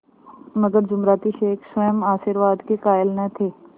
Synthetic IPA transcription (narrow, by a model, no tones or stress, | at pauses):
mɐɡəɾd͡ʒʊmɾaːt̪iʃeːkʰswəjəmaːʃiɾʋaːd̪kekaːjəlnɐt̪ʰeː